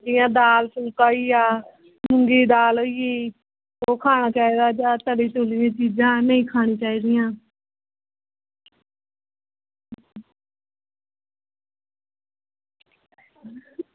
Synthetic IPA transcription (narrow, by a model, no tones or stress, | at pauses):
d͡ʒɪjãːd̪aːlsʊlkaːiːaː | mmʊŋɡiːd̪aːloːiːiː | oːkʰaːñãːkɛːd̪aːd͡ʒaːt̪əliːt̪ʊːliːãːt͡ʃiːd͡ʒãːnəĩːkʰaːɽ̃ĩːt͡ʃaːiːd̪ɪjãː